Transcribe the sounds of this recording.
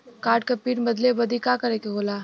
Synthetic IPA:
kaːɾʈ̚kɐpiːɾbɐd̪lebɐd̪ikakɐɾeːkeɦoːlaː

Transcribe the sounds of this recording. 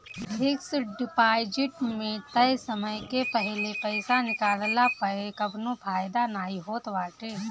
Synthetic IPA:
ʈɪksɖɪpaːjd͡ʒɪʈmẽt̪ɐjsəməjkepəɦlepɛɪsanɪkaːllapəkɐbnõfʰaːjd̪anaːiɦoːt̪ʋaːʈeː

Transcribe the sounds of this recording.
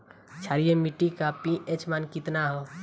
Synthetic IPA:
t͡ʃʰaɾijemiʈikapiʔet͡ʃmankɪt̪naɦo

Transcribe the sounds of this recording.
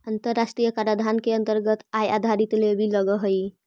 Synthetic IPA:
ənt̪əɾːasʈɾijəkaɾad̪ʱankeənt̪əɾɡət̪ajad̪ʱaɾit̪lebʱiləɡəɦəj

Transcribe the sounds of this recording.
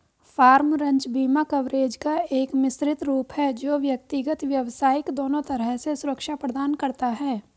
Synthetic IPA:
faːɾmɾɐ̃ɲt͡ʃbiːmakɐʋɾeːd͡ʒkaeːkmɪsɾɪt̪ɾuːpɦɛd͡ʒoːʋjɐk̚t̪ɪɡət̪ʋjɐʋsaːɪkd̪oːnõt̪ɐɾəɦsesʊɾəkʃapɾəd̪aːnkɐɾt̪aɦɛː

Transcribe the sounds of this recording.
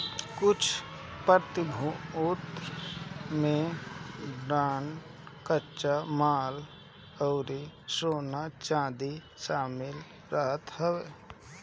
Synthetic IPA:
kʊt͡ʃʰ | pəɾt̪ɪbʱuʊt̪ | mẽ | bɾaːnkəːt͡ʃʃamaːl | ɔːɾisoːnat͡ʃãːd̪i | ʃaːmɪl | ɾəɦət̪həʋeː

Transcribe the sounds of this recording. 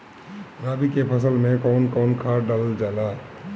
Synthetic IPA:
ɾaːbikepʰəsəlmẽkɔʊnkɔːnkʰaɾɖələld͡ʒaːla

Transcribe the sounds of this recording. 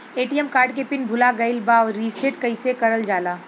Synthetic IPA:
eːʈijəmkaːɾɖkepɪnbʱʊlaɡɐɪlbaːwɾiːseʈkɐɪsekɐɾəld͡ʒaːlaː

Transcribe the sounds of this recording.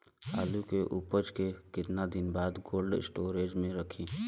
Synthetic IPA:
aːlukeʔʊpəd͡ʒkekɪt̪nad̪ɪnbaːd̪ɡoːlɖɪ̰sʈoːɾeːd͡ʒmẽɾəkʰiː

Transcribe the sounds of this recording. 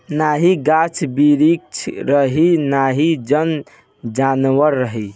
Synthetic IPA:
naɦiɡat͡ʃʰbiɾik̚t͡ʃʰɾəɦinaɦid͡ʒən | d͡ʒanʋəɾːəɦi

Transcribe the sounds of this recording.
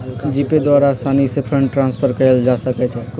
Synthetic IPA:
d͡ʒiped̪waɾasanisepʰɾəɳʈʈːɾãnspʰəɾkəeld͡ʒasəkɛt͡ʃʰɛ

